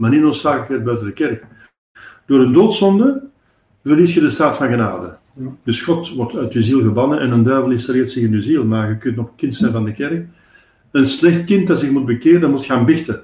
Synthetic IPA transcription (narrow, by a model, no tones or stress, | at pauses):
maːrninoːsaːkləkɛr̚bœːɥtədəkɛrk | d̥oːɾəndoːtsɔndə | vərlisxədəstaːtfɑnɣəna̰ːdə̰ | d̥ɵsxɔtʋɔrtœɥtyːzilˠɣəbɑnəʔɛnəndœːvəlˠɪnsəleːrtsɪɣɪnyːzilˠmaːrɣəkɵntnɔxkɪntsɛjnvɑndəkɛrk | ənslɛxtkɪnt̚dɑtsɪxmut̚bəkeːɾəmutxaːnbɪxtə